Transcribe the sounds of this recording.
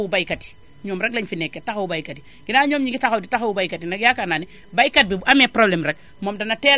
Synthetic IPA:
wubajkati̥ | ɲɔːmɾɛk̚laɲfinɛkːetaxawubajkati | ɡ̥inaːɲɔːmɲiŋɡitaxawditaxawubajkatinɐkjakanani | bajkat̚bibamɛpɾoblɛmɾɛk̚ | momdɐnatɛ

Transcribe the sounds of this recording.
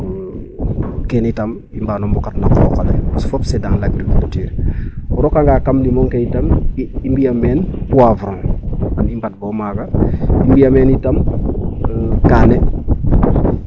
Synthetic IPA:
kenitam | imbaːnombukatnakɔːkalesu̥fopsedaŋlaɡɾikultiːɾɔɾokaŋɡaːkamlimoŋkeitamimbijameːnpuwavuɾoŋanimbat̚bomaːɡaimbijameːnitam | kane

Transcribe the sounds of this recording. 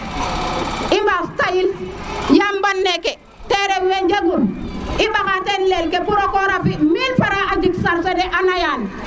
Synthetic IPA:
imbastajiljambanːekɛ | teɾewend͡ʒaɡumimbakatenlelkepuɾokoɾapimilfaɾaad͡ʒiksaɾsedɛʔanajal

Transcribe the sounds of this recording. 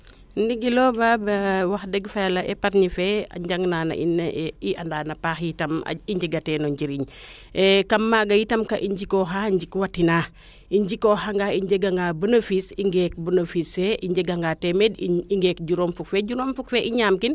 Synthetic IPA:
ndiɡilɔːbabɐwaxdɛɡfɛlɐʔɛpaɾnifɛɐ̰ɲɟaŋnaːnɐ̰ʔḭnːiʔɐndaːnɐpaːxjitɐm̰iɲd͡ʒiɡɐtɛːnɔɲɟiɾiɲ | kɐmːaɡɐjitɐmkɐʔiɲɟikɔxaɲɟikwatːinaː | iɲɟikɔxaŋɡaiɲɟɛɡaŋɡaːbənəfisiŋɡɛːk̚bunəfisɛʔiɲɟɛɡaŋɡaːtɛmediiŋɡɛːk̚ɟuɾomfuk̚fɛɟuɾomfukfɛʔiɲaːmkin

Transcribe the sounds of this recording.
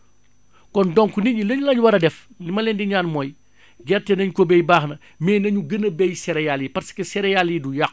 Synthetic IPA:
kɔndɔŋkuniɟilɐɲlɐɲwɐɾɐdɛf | limɐlɛndiɲaːnmɔːj | ɡɛrtɛnɐɲkɔbɛjbaːxnɐ | mɛːnɐɲuɡənəbɛjsɛɾɛjalipɐɾsi̥kɛsɛɾɛjalidujax

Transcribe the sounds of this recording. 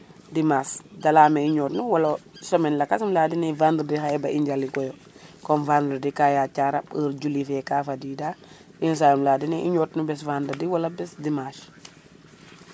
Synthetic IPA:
dimaːsdɐlaːmɛiɲɔːtnuwɐlɐsɔmɛnlɐkasumlaːdinɛvanddixaɛbɐiɲɟalikɔjɔ | kɔnvandɾadikajat͡ʃaɾapəɾd͡ʒulifɛkafadida | ins̬ajumlaːdinɛʔiɲɔtnubɛsvandɐdiwɐlɐbɛsdimaːʃ

